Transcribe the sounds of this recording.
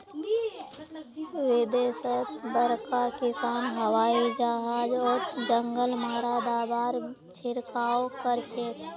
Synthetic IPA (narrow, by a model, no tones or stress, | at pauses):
ʋɪd̪esət̪bəɾkakɪsaːnɦəwaid͡ʒaɦad͡ʒɔːt̪d͡ʒəŋɡəlmaɾad̪abaɾ | t͡ʃʰɪɾkaokəɾt͡ʃʰet̪